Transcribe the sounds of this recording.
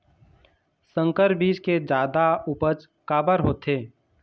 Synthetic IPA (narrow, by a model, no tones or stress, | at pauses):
sə̃ŋkəɾbiːt͡ʃked͡ʒaːd̪aupət͡ʃ | kaːbəɾɦoːt̪eː